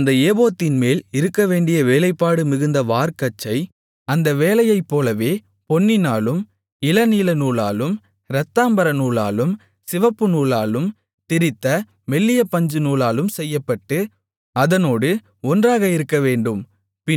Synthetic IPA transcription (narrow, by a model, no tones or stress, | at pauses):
nd̪ɐeːboːt̪ːɪnmeːlɪɾɯkːɐʋeːɳɖɪjɐʋeːlɐɪpːaːɽɯmɪɣɯnd̪ɐʋaːɾkɐt͡ʃːɐɪ | ɐnd̪ɐʋeːlɐjɐɪpːoːlɐʋeː | pɔnːɪnaːlɯm | ɪlɐniːlɐnuːlaːlɯm | ɾɐt̪ːaːmbɐɾɐnuːla̰ːlɯm | sɪʋɐpːɯnuːlaːlɯm | t̪ɪɾɪt̪ːɐ | mɛlːɪjɐpːɐɲd͡ʒɯnuːɭaːlɯmsɛjːɐpːɐʈːɯ | ɐðɐnoːɽɯ | ɔndraːɣɐɪɾɯkːɐʋeːɳɖɯm | pɪ